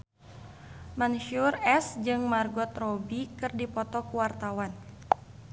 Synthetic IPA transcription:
manʃurɛsd͡ʒɨŋmarɡɔt̪rɔbikɨrdipɔt̪ɔkuwart̪awan

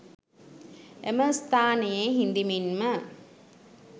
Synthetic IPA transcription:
eməst̪ʰaːnejeɦind̪iminmə

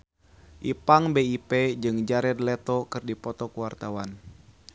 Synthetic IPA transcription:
ʔipaŋbeiped͡ʒɨŋd͡ʒaɾɛd̪lɛt̪ɔkɨrdipɔt̪ɔkuwart̪awan

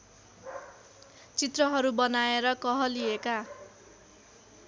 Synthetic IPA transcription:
t͡sit̪rʌɦʌɾubʌnaeɾʌkʌɦʌlieka

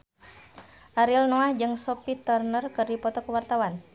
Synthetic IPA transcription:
ʔaɾilnɔahd͡ʒɨŋsɔpit̪ɔrnərkɨrdipɔt̪ɔkəwart̪awan

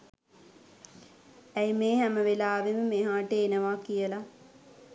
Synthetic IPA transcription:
æjmeːɦæməʋelaːʋeməmeɦaːʈəːnəʋaːkijəla

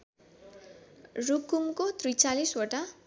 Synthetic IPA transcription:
rukumkot̪rujt͡salisoʈa

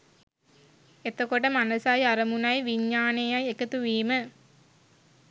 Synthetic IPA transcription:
et̪ːɐkoʈːɐmɐnɐsaːjɐɾɐmunaːjʋiɲːaːnejajekɐt̪ːuʋiːmɐ

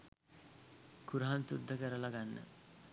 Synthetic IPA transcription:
kuɾɦansṵd̪ʱːəkəɾəlaɡanːə̰

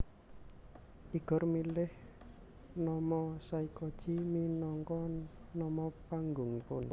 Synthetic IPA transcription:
ʔiɡ̥ɔ̤rmilɪh | nɔmɔsaikɔd̥ʒ̥iminɔŋkɔnɔmɔpaŋɡʊŋpʊn

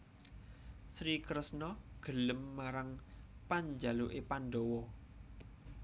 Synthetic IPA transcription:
sɾikɾəsnɔɡ̥ə̤ləmːaɾaŋpaɲd͡ʒaloʔepanɖɔwɔ

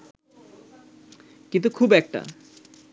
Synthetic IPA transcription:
kint̪ukʰubɛk̚ʈa̰

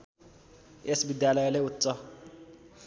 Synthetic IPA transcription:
esbid̪jalʌjleut̪ːsʌ

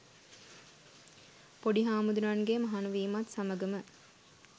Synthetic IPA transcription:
poɖiɦaːmud̪unanɡemɐɦanuʋiːmat̪saməɡəmə

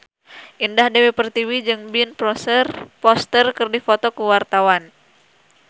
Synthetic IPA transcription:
ʔindahdewepərt̪iwid͡ʒɨŋbinpɾɔsrpɔst̪ərkɨrdifot̪ɔkuwart̪awan

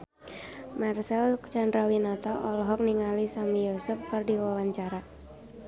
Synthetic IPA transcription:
marsɛlt͡ʃandɾawinat̪aʔɔlɔɦɔk̚niŋalisamijɔsʊfkɨrdiwawaɲt͡ʃaɾa

